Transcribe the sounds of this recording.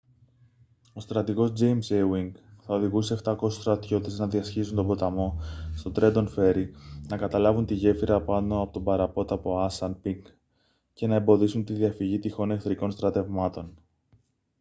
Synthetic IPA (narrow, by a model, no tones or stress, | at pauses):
o̞st̪ɾɐt̪iɣo̞zd͡ʑejmsewiŋɡθɐo̞ðiɣuseːft̪ɐko̞su̥st̪ɾɐt̪ço̞t̪eznɐðiɐsçisunt̪o̞bo̞t̪ɐmo̞st̪o̞t̪ɾe̞d̪o̞nfe̞ɾinɐkɐt̪ɐlɐvunt̪iʝe̞fiɾɐpɐno̞ɐpo̞t̪o̞bɐɾɐpo̞t̪ɐpo̞ɐsɐnpik | ce̞nɐembo̞ðisunt̪iðiɐfiʝit̪ixo̞nekθɾiko̞nst̪ɾɐt̪e̞vmɐt̪o̞n